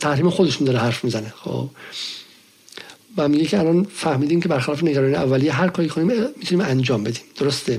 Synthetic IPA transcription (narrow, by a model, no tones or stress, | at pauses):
t̪ʰæhɾiːmexod̪e̞ʃund̪ɒːɾeɦæɾfmiːzænexo̰ːb̥ | væmiɡecʰeælɒnfæhmiːd̪iːmcʰe̞bæɾxælɒːfeneɡæɾɒːnijeævːælijeɦæɾkʰɒːɾikʰoniːmmit̪ʰuniːmænd͡ʒɒːmbe̞d̪iːmd̪̥oɾost̪e